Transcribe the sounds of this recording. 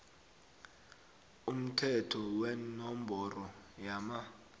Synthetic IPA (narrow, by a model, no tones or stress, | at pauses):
um̩tʰɛtʰɔwɛnɔmbʱɔrɔjama